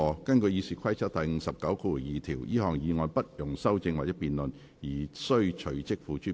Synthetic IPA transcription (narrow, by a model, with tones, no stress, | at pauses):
ɔː˨˧kɐ˥nkɵ˧ɥjiː˧siː˨˩kʰɐ˥jt͡sʰɐ˥t̚t̪ɐ˨jŋ̩˨˧sɐ˨p̚kɐ˨˥wkʰuː˧u˨˩jiː˨t̪ʰiː˨˩wjiː˥hɔː˨˩ŋjiː˨˧ŋɔː˧npɐ˥t̚jʊ˨˩ŋsɐ˥wt͡sɪ˧ŋwaː˨k̚ɛ˧˥piː˨nlɵ˨n | jiː˨˩sɵ˥ɥt͡ʃʰɵ˨˩ɥt͡sɪ˥k̚fuː˨˧t͡ʃyː˥˩